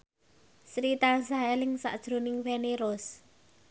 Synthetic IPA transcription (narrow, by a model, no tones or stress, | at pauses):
sɾit̪asaɛlɪŋsa̰ʔd̥ʒ̥ɾo̤nɪŋfeneɾʊs